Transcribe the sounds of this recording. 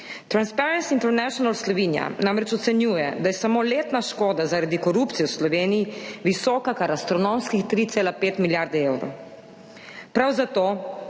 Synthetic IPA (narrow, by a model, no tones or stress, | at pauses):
t̪ɾanspɛɾɛnsiint̪ɛɾnɛʃɔnalslɔʋiːnija̰namɾɛt͡ʃɔt̪sɛnjuːjɛd̪ajɛsamoːleːt̪naʃkoːd̪azaɾad̪ikɔɾuːpt̪sijɔwslɔʋeːnijiʋisɔːkakaɾast̪ɾɔnomskixt̪ɾit̪seːlapeːt̪miljaɾd̪ɛewɾo̰w | pɾawzat̪oː